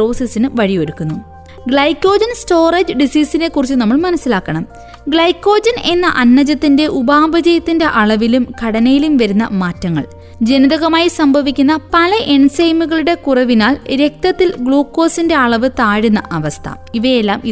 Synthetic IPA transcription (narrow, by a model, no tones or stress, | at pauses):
o̞ːsisinɨʋɐɻijo̞ɾukːunːu | ɡɭɐjkːo̞ːd͡ʑɐnsto̞ːred͡ʑɨɖisiːsine̞kːurit͡ɕːunɐmːɐɭmɐnɐsːilaːkːɐɳɐm | ɡɭɐjkːo̞ːd͡ʑɐne̞nːɐ̰ʔɐnːɐd͡ʑɐt̪ːinde̞ʔubaːbɐd͡ʑɐjɐt̪ːinde̞ʔɐɭɐʋilumkɐɽɐnɐjilumʋɐɾunːɐ̰maːtːɐŋːɐ̰ɭ | d͡ʑe̞niðɐɣɐmaːjisɐmbʱɐʋikʲːunːɐpɐlɐʔe̞nsɐjmuɣɐɭuɽe̞kurɐʋinaːlɾe̞k̚t̪ɐt̪ːilɡɭoːkːo̞ːsinde̞ɐɭɐʋɨt̪aːɻunːɐ̰ʔɐʋɐst̪ʰɐ̰ | iʋɐjelːaːmi